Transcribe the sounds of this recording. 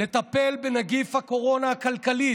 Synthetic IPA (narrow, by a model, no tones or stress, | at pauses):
e̞t̪ape̞lbenaɡifhako̞ʁo̞nahːkalkali